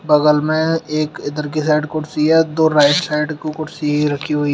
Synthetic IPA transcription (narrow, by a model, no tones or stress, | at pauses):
bɐɡəlmẽeːkɪd̪əɾk̬isaːɪɖkʊʈsiɛd̪oːɾaːɪʈsaːɪɖkokʊʈsiɾɐkʰiɦoi